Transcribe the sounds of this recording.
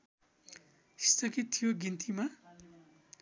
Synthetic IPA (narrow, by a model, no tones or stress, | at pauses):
i̥st̪ʰʌkit̪ʰːijoɡint̪ima